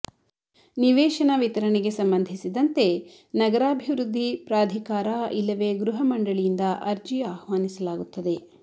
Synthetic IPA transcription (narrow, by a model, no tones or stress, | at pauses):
niʋɛːʃɐnɐʋit̪ɐɾɐneɡe̞sɐmbɐnd̪ʱisid̪ɐnt̪e̞ | nɐɡɐɾaːbʱiʋɾud̪ʱːipɾaːd̪ʱikaːɾaʔilːɐʋeɡɾuɦɐmɐɳɖɐɭijind̪ɐʔɐɾd͡ʒiaːhʋaːnisɐlaːɡut̪ːɐd̪e̞